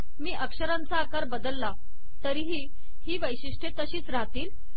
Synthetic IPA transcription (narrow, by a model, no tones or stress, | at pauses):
miːʔəkʂəɾãnt͡saːkaɾbəd̪əlːa | t̪əɾiɦiː | hiːʋəjɕiʂʈʰet̪əɕiːt͡sɾaɦt̪iːl